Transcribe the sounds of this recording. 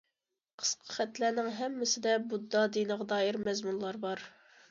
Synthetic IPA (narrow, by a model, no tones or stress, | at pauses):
qʰə̥sqʰə̥χɛt̪lænɪŋɦɛmːɪsɪd̪ɛbud̪ːɑd̪inəʁd̪ɑːiɾmɛzmunlˠɑɾbɑɾ